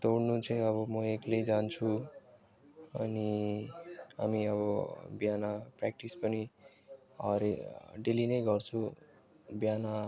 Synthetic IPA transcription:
t̪owɽnut͡sʰʌj̃ʌβʌmʌekled͡zant͡sʰu | ʌ̰ni | ɦa̰miʌβʌbjanaprak̚ʈispʌni | ʌɾeɖelinʌjɡʌrt͡sʰu | bjana

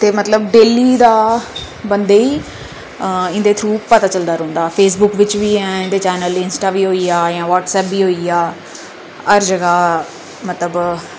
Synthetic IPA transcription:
t̪eːmət̪ləbɖeːliːd̪aː | bənd̪eːiː | ɪ̃nd̪eːt̪ʰɾuːppət̪aːt͡ʃəld̪aːɾõːnd̪aːpʰeːsbʊkʋɪt͡ʃʋiːɛ̃ːɪ̃nd̪eːt͡ʃɛːnəlɪnsʈaːʋiːɦoːiːaːjãːʋaːʈsɛːpʋiːɦoːiːaː | əɾd͡ʒəɡaː | mət̪ləb

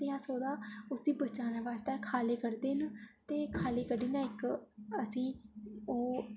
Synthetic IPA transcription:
eaːsoːd̪aːʊsiːbət͡ʃaːnaːʋaːst̪ɛːkʰaːleːkəɾd̪eːənt̪eːkʰaːleːkəɖiːnaːɪkəsĩːoː

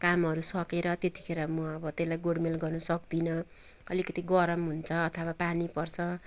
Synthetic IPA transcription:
kamɦʌɾusʌkeɾʌt̪et̪i̥kʰeɾʌmʌʌbʌt̪elajɡoɽmelɡʌrnʌsʌkd̪inʌ | ʌ̰likʌt̪iɡʌɾʌmɦunt͡sʰʌːt̪ʰʌwapanipʌrt͡sʰʌ

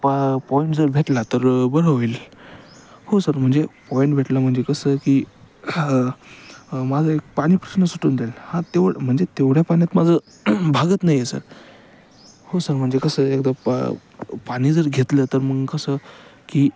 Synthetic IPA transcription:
ppɔiɳʈd͡zəɾbʱeʈlat̪əɾbəɾəʋil | hosəɾm̤əɳd͡zepɔiɳʈbʱeʈlam̤əɳd͡zekəsəːkiː | mad͡zʱəek̚paɽ̃iːpɾəɕnəsuʈuːnd̪elhãt̪eʋm̤əɳd͡zet̪eʋɽjapañjat̪mad͡zʱə | bʱaɡət̪najːesə̰ɾ | hosəɾm̤əɳd͡zekəsəek̚d̪a | paɽ̃iːd͡zəɾɡʱet̪lət̪əɾməɡkəsəːkiː

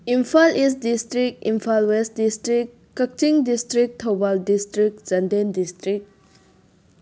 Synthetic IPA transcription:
impʰalis̬tdistɾik̚impʰalwestdistɾikːɐk̚t͡ʃiŋdistɾik̚tʰowbaldistɾik̚zɐndendistɾik̚

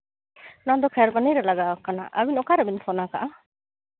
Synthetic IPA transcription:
nad̪ɔkʰaɾbaniɾɛlaɡakana̰ʔa̰winɔkaɾabinfʰɔnakaʔa

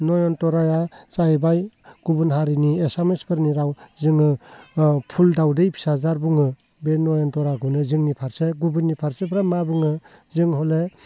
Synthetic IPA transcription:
nɔjɔntɔɾajat͡ʃajbaj | ɡ̥ubɯnɦaɾiniesamespʰɯɾniɾawzɯŋɯ | pʰuldawdejpʰi̥sazaɾbuŋɯ | benːɔjɔntɔɾaɡunɯzɯŋnipʰaɾseɡubɯnːipʰaɾsebʰɾamabɯŋɯ | zɯŋhɔle

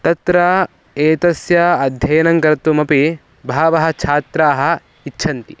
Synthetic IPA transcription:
t̪ɐt̪ɾɐ | eːt̪ɐsjɐɐd̪ʱjɐjɐnɐŋkɐɾt̪umɐpi | bʱaːʋɐɦɐ̆t͡ʃʰaːt̪ɾaːɦɐ̆ | itːʃʰɐnt̪i

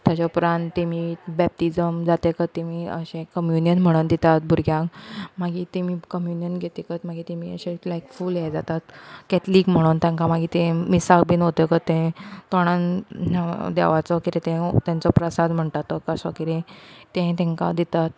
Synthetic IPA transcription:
t̪jat͡ɕapɾãnt̪t̪ːemiːbɛp̚ʈid͡zəmd͡zat̪ekət̪emiːə̰ɕẽkəmjunjənm̤əɽ̃und̪it̪at̪̚bʱuɾɡjãkmaɡiːt̪emiːkəmjunijənɡʱet̪ekət̪maɡiːt̪emiːə̰ɕẽlajkfuːljɛd͡zat̪at̪kɛt̪liːkm̤əɽ̃unt̪jãŋkamaɡiːt̪ẽmisak̚biːnɦot̪ekət̪ẽt̪oɽ̃an | d̪ɛ̰ʋat͡sɔkiɾẽt̪ẽt̪ãnt͡sɔpɾəsad̪m̤əɳʈat̪ɔkəsɔkiɾẽt̪ẽt̪ɛ̃ŋka̰d̪it̪at̪̚

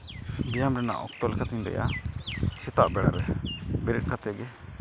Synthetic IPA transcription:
bijamɾɛna̰ʔɔ̰k̚t̪ɔlɛkʰat̪ʰɛɲd̪ɛ̰ja̰ | sɛt̪aʔbɛɽa̰ɾɛbɛɾiʈ̚kʰat̪ʰɛɡɛ

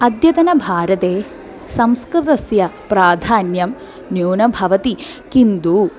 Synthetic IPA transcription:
ɐd̪jɐt̪ɐnɐbʱaːɾɐt̪eː | sɐ̃mskɾɨt̪ɐsjɐpɾaːd̪ʱaːnjɐm | njoːnɐbʱɐʋɐt̪ikind̪u

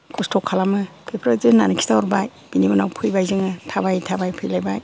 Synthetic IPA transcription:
kʰustʰɔkʰːalamɯ | pʰepʰɾazɯnːa̰nikʰi̥taɔɾbaj | b̥inibɯnawpʰɯjbajzɯŋɯtʰabajtʰabajpʰɯjlajbaj

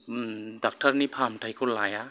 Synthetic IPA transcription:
dak̚taɾnipʰamtʰajkʰulaja

